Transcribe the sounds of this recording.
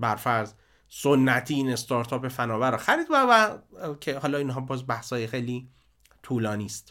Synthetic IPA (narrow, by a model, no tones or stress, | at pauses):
bæɾfæɾz | sonːæt̪ʰiːiːne̞st̪ɒːɾt̪ʰɒːpefænɒːvæɾɔxæɾiːd̪vævækʰehɒːlɒːinɦɒːbɒːzbæhsɒːjexejliː | t̪ʰuːlɒːniːst̪